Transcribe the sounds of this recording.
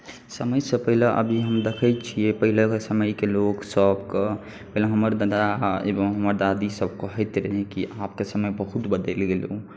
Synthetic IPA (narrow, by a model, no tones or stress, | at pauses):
səməjsepəɦileʔə̰bʱiɦəmd̪ekʰəjt͡ʃʰijepəɦilekesəməjkeloksəbke | bɛləɦəməɾd̪əd̪aḛbəmɦəməɾd̪ad̪isəbkəɦəjt̪ɾɛɦẽkiʔap̚kesəməjbəɦut̪bəd̪elɡelũ